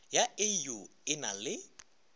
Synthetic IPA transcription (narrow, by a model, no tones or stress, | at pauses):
jaɪju | ɪnalɪ